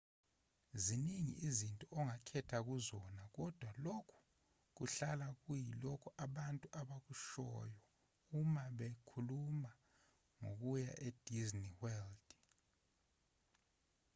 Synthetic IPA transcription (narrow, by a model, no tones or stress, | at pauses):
ziniŋḭʔizintʼɔɔŋakʰɛtʰak̬uzɔnak̬ɔd̥ʱwalokʰu̥ | k̬uɬalak̬ujilɔkʰɔʔaɓantʼuʔaɓak̬uʃɔ̰jɔ | umaɓekʰuluma | ŋo̰k̬uja̰ʔed̥ʱizniwɛld̥